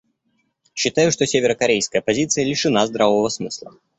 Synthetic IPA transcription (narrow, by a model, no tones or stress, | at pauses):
ɕːɪt̪ajʊʂt̪osʲevʲɪɾəkɐɾʲejskəjəpɐzʲit̪sɨjəlʲɪʂɨnazd̪ɾavəvəsmɨslˠə